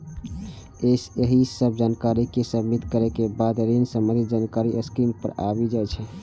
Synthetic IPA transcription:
eseɦisəb̚ʱd͡ʒankaɾikesəbit̪kəɾekebad̪ɾinsəmə̃nd̪ʱid͡ʒankaɾiʔəskɾimpə̰ɾa̰bid͡ʒat͡ʃʰɛ

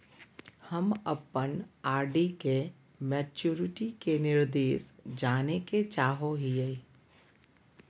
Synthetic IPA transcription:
həməpənaːɾɖike | mɛːt͡ʃuːɾɪʈikenɪɾd̪eːsd͡ʒaːneket͡ʃaːɦoɦie

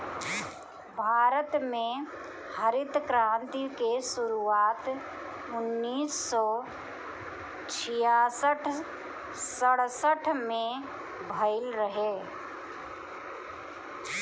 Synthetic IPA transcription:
bʱaːɾət̪mẽ | həɾɪt̪kɾãːnt̪ikesʊɾuːaːt̪ | ʊnːiːsːɔː | t͡ʃʰɪjaːsəʈʰ | səɽ̤səʈʰmẽ | bʱəɪlɾəɦeː

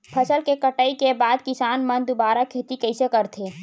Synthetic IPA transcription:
pʰɐsəlkekəʈaːikebaːd̪̚kɪsaːnmɐ̃nd̪ʊbaːɾakʰeːt̪ikɐɪsekɐɾt̪ʰeː

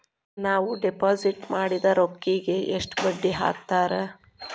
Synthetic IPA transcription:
naːʋuɖepaːziʈmaːɽid̪ɐɾokːiɡeʔeʂʈbɐɖːiɦa̰ːk̚t̪aːɾe

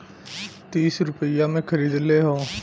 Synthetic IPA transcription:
t̪iːsɾʊpəɪjaːmẽːkʰəɾiːd̪leːɦoː

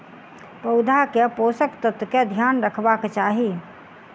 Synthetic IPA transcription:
pəʊd̪ʱakeposəkt̪ət̪ked̪ʱjaːnɾəkʰbakt͡ʃaɦi

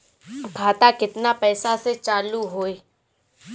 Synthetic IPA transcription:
kʰaːt̪akɪt̪napɛːsaset͡ʃaːluɦoːeː

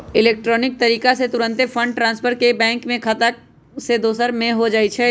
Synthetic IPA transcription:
ɪleːk̚ʈɾɔːnɪk̚t̪ɐɾiːkaset̪ʊɾə̃nt̪efʰɐ̃ɳɖ̚ʈɾãːnspʰəɾkebɛ̃ːŋkmẽkʰɐt̪ə | sed̪oːsəɾmẽɦod͡ʒaːit͡ʃʰɛ

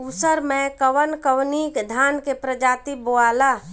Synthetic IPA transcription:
usəɾmẽkəwənkəwnikd̪ʱaːnkepɾəd͡ʒaːt̪iboaːla

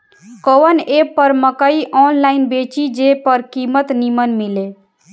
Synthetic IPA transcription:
kowənepəɾməkəiʔɔnlainbet͡ʃid͡ʒepəɾkimət̪nimənmile

